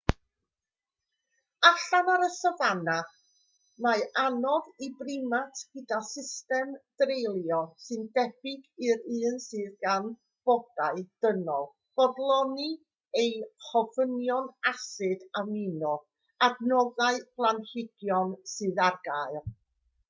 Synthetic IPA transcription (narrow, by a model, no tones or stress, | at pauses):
aɬanaɾəsəvanaχ | maanɔðibrɪmatʰɡ̥ədasɪstɛmd̥rejlˠjɔsɨndɛb̥ɪɡɨɾɨːnsɨːðɡan | b̥ɔd̥aɨd̥ənɔlˠ | b̥ɔdlˠɔni | ejhɔvənjɔnasɨdaminɔ | aɡnɔðaɨb̥lˠanhɪɡjɔnsɨðarɡaɨlˠ